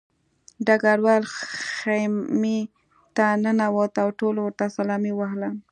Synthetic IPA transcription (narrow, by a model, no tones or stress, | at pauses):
ɖaɡaɽwɑlxami | t̪anənawot̪awʈolowɾt̪asalɑmiwaɦla